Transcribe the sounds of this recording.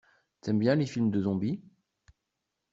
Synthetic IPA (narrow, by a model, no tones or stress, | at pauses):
t̪ɛmbjɛ̃lefilmd̪əzɔ̃bi